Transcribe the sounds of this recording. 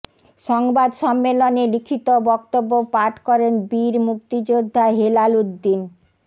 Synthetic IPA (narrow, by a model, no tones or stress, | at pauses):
ʃɔŋbad̪ʃɔmːelonelikʰit̪obɔk̚t̪obːopaʈʰkɔɾenbiɾmuk̚t̪id͡ʑod̪ʱːaɦelaludd̪ːin